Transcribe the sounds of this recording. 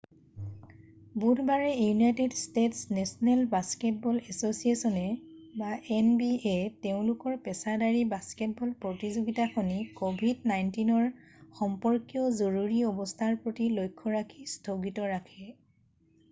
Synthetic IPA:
budbaɹɛjunajtedstetsnɛsɔnɛlbasket̚bɔlɛsosiesɔnɛbaʔɛnbieteʊ̃lʊkɔɹpɛsadaɹibasket̚bɔlpɹotizoɡitaxʰonikobʱidnajntinɔɹxɔmpɔɹkijɔzoɹuɹiɔbɔstʰaɹpɹotilojkʰːɔɹakʰistʰoɡitɔɹakʰɛ

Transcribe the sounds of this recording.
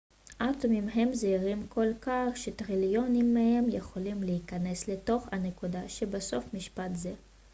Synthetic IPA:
ʔat̪omimɦe̞mzeiʁimkʰo̞lkaχʃet̪ʁiljo̞nimːehe̞mjeχo̞limleikane̞sle̞to̞χhanekudaʃebaso̞fmiʃpatze

